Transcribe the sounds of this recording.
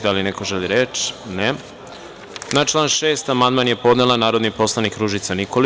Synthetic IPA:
d̪alineko̞ʒeliɾet͡ʃne | nat͡ʃlˠaːnʃe̞ːst̪amand̪̚manje̞po̞d̪nelanaːɾo̞d̪nipo̞slˠanikɾuʒit̪sanikol

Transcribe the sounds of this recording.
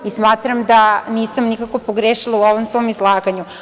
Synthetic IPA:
ismaːt̪ɾamd̪aniːsamnikakʋopoɡɾeʃilˠauoʋomsʋo̞mizlˠaːɡaɲu

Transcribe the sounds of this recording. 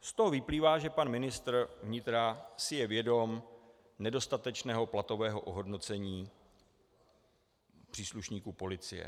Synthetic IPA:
st̪o̞ɦovɪpliːvaːʒɛpanmɪnɪst̪r̩vɲɪt̪ɾasɪjɛvjɛdo̞m | nɛdo̞st̪at̪ɛt͡ʃnɛːɦo̞plat̪o̞vɛːɦo̞ʔoɦo̞dno̞t͡sɛɲiː | pr̥iːsluʃɲiːkupo̞lɪt͡sɪjɛ̰

